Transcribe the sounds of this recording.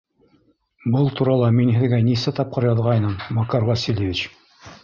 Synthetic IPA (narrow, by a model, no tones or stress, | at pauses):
bɤlˠt̪ʰuɾɑlˠɑminhɘ̆ðɡænisæt̪ɑp̚qɤɾjɑðʁɑjnɤmːɑkɑɾvasʲilʲjevʲit͡ɕ